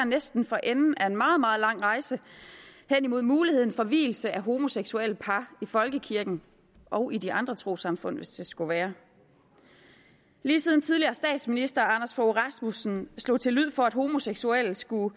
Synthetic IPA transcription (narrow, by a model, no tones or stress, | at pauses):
ɐnesd̥n̩fɒ̽ʔenn̩ʔæe̝nmɑ̈ːð̞̩ˠmɑ̈ːð̞̩ˠlɑ̈ŋ̰ʁɑ̈ɪsəhen̰imo̝ð̞̰ˠmuːlihe̝ð̰ˠn̩fɒ̽ʋḭːl̩səʔæɦo̝mo̝seɡ̥sueləpʰɑ̈ifɒ̽lɡ̥əkʰiɐɡ̥n̩ | ʔɒ̽ʊʔidiɑ̈nd̥ʁɐt͡sʰʁo̝̰ːsɑ̈mfɔ̽n̰ʋesd̥e̝sɡ̥uʋæːɐ | liːsiːð̞ˠn̩t͡sʰið̞ˠliɐːsd̥ɛ̰ːd̥sminisd̥ɐɑ̈nɐsfɒʁɑsmusn̩slɔ̰ːt͡sʰe̝lyð̰ˠfɒ̽æd̥ɦo̝mo̝seɡ̥suel̰sɡ̥u